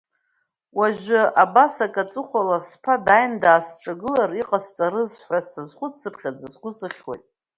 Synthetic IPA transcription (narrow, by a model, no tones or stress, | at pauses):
waʒʷᶣaʔabasakʼat͡sʼɨχʷalaspʰadajndaːsʈ͡ʂʼaɡɨlariqʼazt͡sʼaɾɨzħʷasazχʷʊt͡sʰɨpʰχʲad͡zazɡʷʊsɨχʲwa̰jtʼ